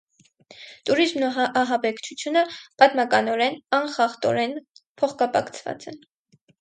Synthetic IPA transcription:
t̪uɾizmnuɑɦɑbɛkʰt͡ʃʰut͡sʰjunəpɑt̪mɑkɑnɔɾɛnɑnχɑχt̪ɔ̰ɾɛnpʰɔχkɑpɑ̰kt͡sʰvɑ̰t͡sɛn

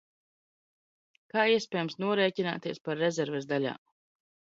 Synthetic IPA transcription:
kaːiɛspʲɛːjəmsnuɔɾɛːcina̰ːt̪iːspaɾːɛzʲɛɾvɛzd̪aʎʲa̰ː

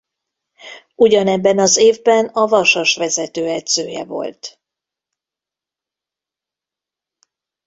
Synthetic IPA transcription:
uɟɒnɛbːɛnɒzeːvbɛnɒvɒʃɒʃʋɛzɛt̪øːɛd̪zøːjɛ̰vo̞̰lt̪

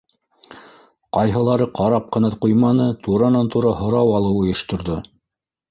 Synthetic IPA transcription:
qɑjɦɤ̆lˠɑɾɤqʰɑɾɑp̚qɤ̆nɑqujmɑnɤt̪uɾɑnɑnt̪uɾɑɦŏɾɑwɑlˠɤwŏjɤ̆ʃt̪ŏɾðo

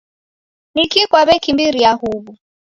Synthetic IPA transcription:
nikikwaβɛkimbiɾiahuβu

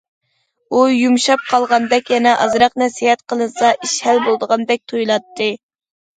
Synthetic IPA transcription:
ujumʃɑp̚qʰɑlˠʁɑnd̪ɛkʲjɛnɛʔɑ̰zɾɑqnɛsihɛt̪qʰəlˠɨsɑʔiʃhælbolˠd̪əʁɑnd̪ɛk̚ʲt̪ʰojlˠɑt̪ʰːɨ

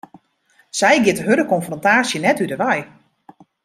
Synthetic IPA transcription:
sɛjɡɪtɦødəkɔnfrɔntaːsjənɛtydəʋɛj

